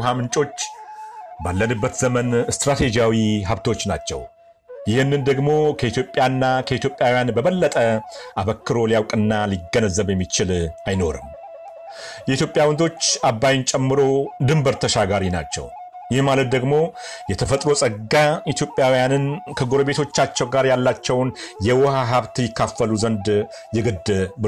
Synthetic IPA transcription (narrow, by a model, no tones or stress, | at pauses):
ɦamɨnt͡ʃʼo̞t͡ʃː | balːənɨbːət̪zəmənɨst̪ɾat̪ʰe̞d͡ʒijawiɦaβt̪ʰo̞t͡ʃːna̰t͡ʃːɛ̰w | jɪhɨnːɨnd̪əɡmo̞kʰəit̪jo̞pʼjanːakʰəit̪ʰjo̞pʼjawjanbəβəlːət̪ʼəʔaβəkːɨɾo̞lijawkʼɨnːaliɡːənəzːəβjɛmːit͡ʃɪlajno̞ɾɨ̰m | jɛit̪ʰjopʼjawənd̪o̞t͡ʃːabːajɪnt͡ʃʼɛmːɨɾo̞d̪ɨmbəɾt̪ʰəʃaɡaɾina̰t͡ʃːɛ̰w | jɪhmalət̪̚d̪əɡmo̞ | jɛt̪ʰəfət̪ʼɾo̞sʼəɡːait̪ʰjopʼːjawjanɨnkʰəɡo̞ɾəβe̞t̪ʰo̞t͡ʃːat͡ʃːɛwɡaɾjalːat͡ʃːɛwnjɛwɔhaɦaβt̪jɪkʰːafːəluzənd̪ | jɛɡɨd̪ːɨb